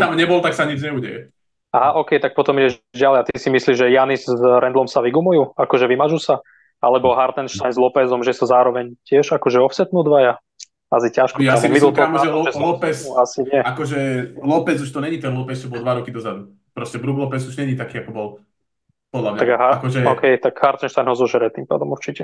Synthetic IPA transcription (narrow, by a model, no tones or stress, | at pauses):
t̪amɲɛbɔlt̪aksaɲid͡ʒɲɛuːɟɛjɛ̰ | aɦaʔɔkɛjt̪ak̚pɔt̪ɔmiɟɛʒɟalɛat̪isimisliːʒɛjanizɾɛnd̪lɔmsaʋiɡumujuːakɔʒɛʋimaʒusa | alɛbɔɦaɾt̪ɛnʃt̪ajnzlɔpɛzɔmʒɛsazaːɾɔʋɛɲcɪɛʒakɔʒɛɔfsɛt̪nuːd̪ʋaja | asicaʃkɔt̪aɛmid̪lɔɔlmɛɔɛslɔpɛsasiɲɪɛakɔʒɛlɔpɛt͡suʃt̪ɔɲɛɲit̪ɛnlɔpɛst͡ʃɔbɔlˠd̪ʋaɾɔkid̪ɔzad̪u | pɾɔscɛbɾuɡlɔpɛzuʒɲɛɲit̪akiːakɔbɔl | pɔd̪lamɲaaɡaɦaakɔʒɛɔkʰɛjt̪aɡhaɾt̪ɛnʃt̪ajnɦɔzɔʒɛɾɛt̪impa̰ːd̪ɔmuɾt͡ʃicɛ